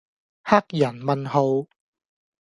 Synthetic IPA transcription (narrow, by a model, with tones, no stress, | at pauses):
ha˥k̚jɐ˨˩nmɐ˨nɦo˨˧w